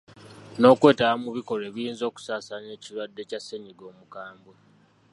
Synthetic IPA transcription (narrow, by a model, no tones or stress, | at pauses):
no̞ːkwe̞ːtawamuβiko̞le̞ːβijiːnzo̞ːku̥saːsane̞ːcilwadːe̞casːeɲiɡo̞ːmukaːmbwe